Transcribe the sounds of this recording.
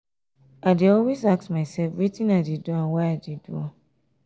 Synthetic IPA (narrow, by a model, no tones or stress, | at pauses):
adiɔlwezaksmaɪsɛlfɹitĩnaɪdiduãnwaadidua